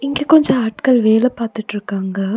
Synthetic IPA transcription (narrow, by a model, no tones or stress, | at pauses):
ɪŋɡeːkɔɲd͡ʒɐ̃aːʈkɐɭʋeːlɐpaːɾt̪ɪʈːɪɾɯkːaːŋɡɐ